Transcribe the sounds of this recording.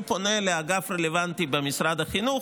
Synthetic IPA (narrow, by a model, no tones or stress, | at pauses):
poneleaɡafɾelevant̪ibemisɾad̪aχinu